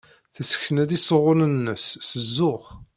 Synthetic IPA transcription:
θəsə̥çθənæðisəʁʊnənːəsːəzːʊχ

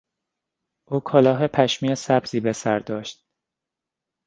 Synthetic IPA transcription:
ʔuːkʰɒlɒːɦe̞pʰæʃmiːesæbz̥iːbe̞sæɾd̪ɒːʃt̪̚

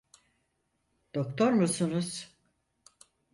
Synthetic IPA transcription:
d̪̥okt̪ʰoɾmusunuz̥

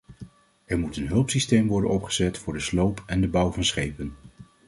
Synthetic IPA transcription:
ʔɛɹmutənɦɵlˠpsistejmʋɔɹdə̰nɔpχəz̥ɛtfʊːɹdəslowpʰɛndəbʌwvɑnsχejpən

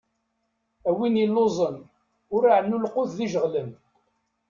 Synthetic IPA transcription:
æwinilːozˤən | ʊɾaʕnːulqʊððiʒəʁlən

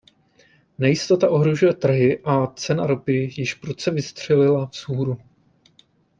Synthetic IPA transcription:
nɛjɪst̪o̞t̪aʔo̞ɦɾo̞ʒujɛt̪r̩ɦɪʔat͡sɛnaɾopɪjɪʃpɾot͡sɛvɪst̪r̝̥ɛlɪlafsuːɾu

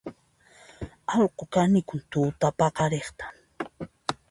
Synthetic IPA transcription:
ɑlqokanɪkʊnt̪ʊːt̪apɑqɑɾeχt̪ḁ

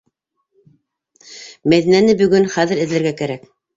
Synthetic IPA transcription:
mæðinænɘbɵ̆ɡɵnχæðɘ̆ɾɘ̆ðlæ̆ɾɡækæɾæk

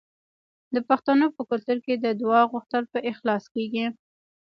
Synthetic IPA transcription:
d̪əpaxt̪anopəkʊlt̪ʊɾked̪əd̪wɑɣʊxt̪əlpəʔɪxlɑskeɡi

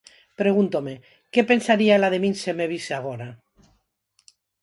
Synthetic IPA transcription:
pɾe̞ɣ̞unt̪ome̞ | ke̞pe̞nsaɾiaelaðe̞mĩnseme̞β̞iseaɣ̞oɾa

